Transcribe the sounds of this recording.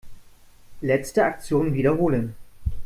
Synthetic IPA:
lɛt͡stəak̚t͡sjoːnnviːdɐɦoːlən

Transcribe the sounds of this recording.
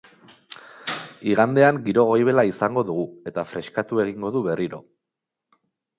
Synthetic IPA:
iɣ̞and̪e̞aŋɡiɾo̞ɣ̞o̞jβ̞e̞laisaŋɡo̞ðuɣue̞t̪afɾe̞skat̪ue̞ɣiŋɡo̞ðuβe̞rʔiɾo̞̰

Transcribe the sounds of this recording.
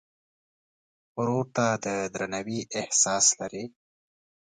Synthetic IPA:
ɾoɾt̪ad̪əd̪ɾanawiʔɪhsɑslaɾi

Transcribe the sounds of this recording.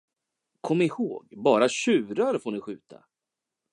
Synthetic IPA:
kʰɔmːɪhoːɡbɑːɾaɕʉ̟ːɾaɾfoːnɪɧʉ̟ːt̪ʰa̰

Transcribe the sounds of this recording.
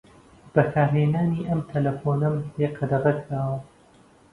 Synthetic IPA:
b̥ɐkʰaːɾɦeːnaːniːʔɐmt̪ʰɐlɐfoːnɐmleːqʰɐd̪ɐrɐkʰɾaːwɐ

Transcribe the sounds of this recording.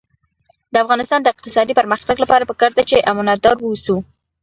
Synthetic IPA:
d̪əafɣɑnɪst̪ɑnd̪əɪq̚t̪ɪ̥sɑd̪ipəɾməxt̪aɡlapɑɾapəkɑɾd̪et͡ʃeʔamʊnad̪ɑɾwəusu

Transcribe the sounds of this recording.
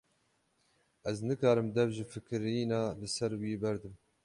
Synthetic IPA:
ʔɛznɨkɑːɾɨmd̪ɛvʒɨfɨkɨɾiːnɑːlɨsɛɾwiːbɛɾd̪ɨm

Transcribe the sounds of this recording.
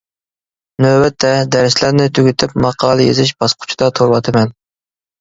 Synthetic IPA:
nøbɛt̪ʰːɛd̪æɾslæɾnɪt̪ʰyɡʲyt̪ʰɪpmɑqʰɑːlˠɨjḛzɪʃb̥ɑsqʰʊ̥t͡ʃʰid̪ɑt̪ʰoɾwɑt̪ʰɨmɛn

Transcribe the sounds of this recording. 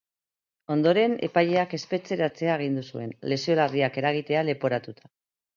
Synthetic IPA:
o̞nd̪o̞ɾe̞ne̞̰paʎe̞ake̞spe̞t͡se̞ɾat͡se̞aeɣ̞ind̪usue̞̰nle̞sio̞lariake̞ɾaɣ̞it̪e̞ale̞po̞ɾat̪ut̪ʰḁ

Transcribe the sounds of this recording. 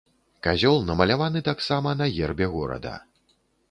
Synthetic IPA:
kazʲɔlˠnɐmɐlʲavanɨt̪aksamɐnɐɣʲɛrbʲɛɣɔɾɐ̰d̪ɐ̰

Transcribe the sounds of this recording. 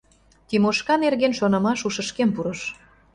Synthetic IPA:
t̪imoʃkɑnerɣenʃonɤ̆mɑʃuʃə̆ʃkempuɾɤ̆ʃ

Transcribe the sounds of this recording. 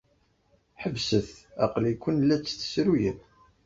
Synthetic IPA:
ħəvsəθæqlikʷːənlːæt͡sːθə̥sɾujəð

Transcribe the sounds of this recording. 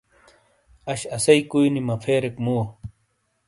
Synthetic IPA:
aʃasajkʊjnimapʰeːɾekmu

